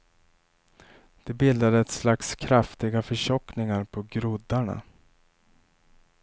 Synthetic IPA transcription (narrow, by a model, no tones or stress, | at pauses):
d̪̥ɛbɪld̪ad̪əɛt̪slakskʰɾaft̪ɪɡafœʂɔknɪŋaɾpʰɔɡɾɵd̪aɳa̰